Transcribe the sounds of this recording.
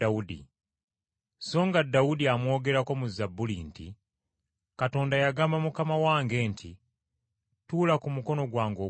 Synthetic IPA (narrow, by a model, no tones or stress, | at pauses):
audḭ | so̞ːŋɡadːaudiamwo̞ːɡe̞ɾako̞muzabːulintḭ | kato̞ːndajaɡaːmbamukamawaːŋɡe̞ːntʰi | tuːlakumuko̞no̞ɡwaːŋɡo̞